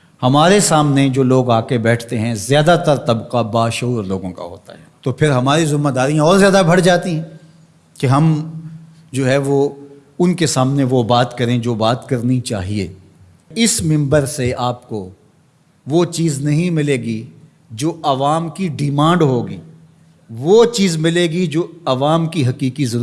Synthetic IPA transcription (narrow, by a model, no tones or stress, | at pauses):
hɐmaːɾesaːmned͡ʒoːloːɡaːkebɛːʈʰt̪eɦɛ̃zjaːd̪at̪ɐɾt̪ɐbqabaːʃɐuːɾloːɡõka̰ɦo̰ːt̪a̰ɦɛːt̪opʰɪɾɦɐmaːɾizʊmːed̪aːɾijãɔːɾzjaːd̪abʱɐɽ̤d͡ʒaːt̪iɦɛ̃ | keɦɐm | d͡ʒoːɦɛʋo | ʊnkesaːmneʋobaːt̪kɐɾẽd͡ʒoːbaːt̪kɐɾnit͡ʃa̰ːɦiḛː | ɪsmɪ̃mbəɾseaːp̚ko | ʋoːt͡ʃiːznɐɦĩmɪleːɡi | d͡ʒoːʔɐʋaːmkiɖɪmãːɳɖɦoːɡḭː | ʋot͡ʃiːzmɪleːɡid͡ʒoːɐʋaːmkiɦɐqiːqizɐɾ